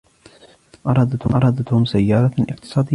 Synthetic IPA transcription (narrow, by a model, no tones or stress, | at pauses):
ʔɑɾˤɑːd̪at̪hʔɑɾˤɑːd̪at̪hʊmsajːɑːɾˤɑʔɪ̰qt̪ɨ̥sˤɑːd̪ɪ